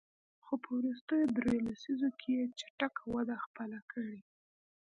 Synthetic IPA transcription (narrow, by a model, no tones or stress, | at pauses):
xopəwɾus̬t̪əjod̪ɾojolasizokʰejet͡ʃḁʈakawad̪axpəlakʰəɽe